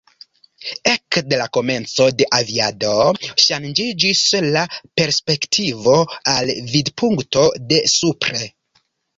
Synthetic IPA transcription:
e̞kde̞lako̞me̞nt͡so̞de̞ʔaviado̞ʃand͡ʒid͡ʒislape̞ɾspe̞ktʰivo̞alvidpʰuŋkto̞de̞supɾe̞

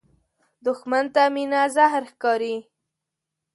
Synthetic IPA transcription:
d̪ʊxmant̪aminazahɾxkɑɾi

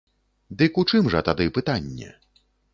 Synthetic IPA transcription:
d̪ɨkut͡ʂɨmʐɐt̪ad̪ɨpɨt̪anʲːɛ̰

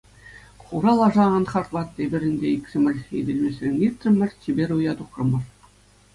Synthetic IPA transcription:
χuɾɑlˠɑʐɑɑnχɑrt̪lˠɑt̪ːʲebʲɘ̆ɾʲɘ̆nʲd̪ʲeiksʲɘmʲɘ̆lʲḛdʲelʲmʲesʲrʲenʲit̪ʲrɘ̆mʲɘ̆rʲtʲibʲeɾʲujɑd̪uχrɤ̆mɤ̆r

